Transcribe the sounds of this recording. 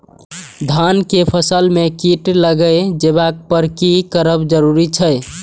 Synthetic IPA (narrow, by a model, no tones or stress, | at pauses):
d̪ʱankepʰəsəlmekiʈləɡəjd͡ʒeβak̚pəɾkikəɾəbd͡ʒəɾuɾit͡ʃʰəj